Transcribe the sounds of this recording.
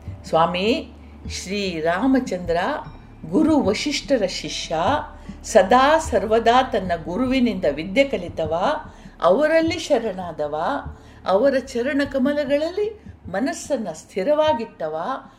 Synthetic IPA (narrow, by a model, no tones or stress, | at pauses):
sʋaːmi | ʃɾiːɾaːmɐt͡ʃɐnd̪ɾaː | ɡuɾuʋɐʃiʂʈɐɾɐʃiʃjaː | sɐd̪aːsɐɾʋɐd̪aːt̪ɐnːɐɡuɾuʋinind̪ɐʋid̪jɐkɐlit̪ɐʋaːɐ̰ʋɐɾɐlːiʃɐɾɐɳaːd̪ɐʋaː | ɐʋɐɾɐt͡ʃɐɾɐɳɐkɐmɐlɐɡɐɭɐlːimɐnɐsːɐnːɐst̪ʰiɾɐʋaːɡit̪ːɐʋaː